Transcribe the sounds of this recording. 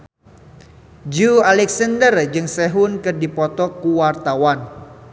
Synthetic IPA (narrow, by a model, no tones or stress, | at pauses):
d͡ʒualɛksəndərd͡ʒɨŋsɛɦunkɨrdipɔt̪ɔkuwart̪awan